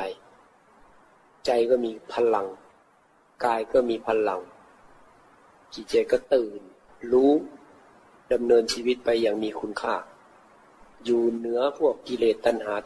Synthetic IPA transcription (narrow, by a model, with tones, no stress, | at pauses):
a˧j | t͡ɕa˧jkɔː˧˩miː˧pʰa˧nla˨˧˦ŋ | kaː˧jkɔ˧˩miː˧pʰa˧˥nla˨˦ŋ | kiː˧˩t͡ɕeː˧˩kɔ˧˥˩t̪ɯː˨˩n | luː˦˥ | da˧˨mnɤː˧nsiː˧wi˧˥t̪̚pa˧jːaː˧˩ŋmiː˧kʰu˧nkʰaː˧˥˩ | juː˧nɯ˨˦ɐpʰu˦˥˩ək̚ki˧˨leː˧˩t̪ːa˧nɦaː˨˦